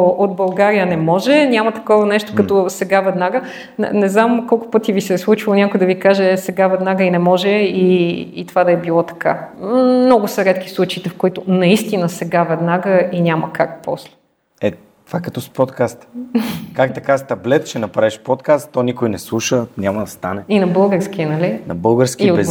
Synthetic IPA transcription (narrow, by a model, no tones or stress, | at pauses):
ʔod̪̚bɐlˠɡaɾijənɛmɔʒɛnʲamɐt̪ɐ̥kɔvɐnɛʃt̪o̥kɐt̪ɔsɛɡavɛd̪naɡə | n̰nɛznamkɔlˠkʊ̥pɤt̪ivisɛslˠut͡ʃilˠʊnʲakojd̪ɐvikaʒɛsɛɡavɛd̪naɡəinɛmɔʒɛiːt̪ovad̪ɐɛbilˠɔt̪ɐ̥ka̰mnɔɡʊsɐɾɛt̪k̟i̥slˠut͡ʃɐit̪ɛfkoit̪ʊnɐist̪inəsɛɡavɛd̪naɡəinʲaməkak̚pɔ̰slɛ̥ | ɛ | t̪ovakɐt̪ɔspɔt̪kast̪kakt̪ɐkast̪ɐblɛt̪t͡ʃɛnɐpɾaiʃpɔt̪kast̪ːonikojnɛslˠuʃənʲamɐd̪ɐst̪anɛinɐbɤlˠɡəɾskʲiənɐlinɐ̰bɤlˠɡəɾskʲiɛ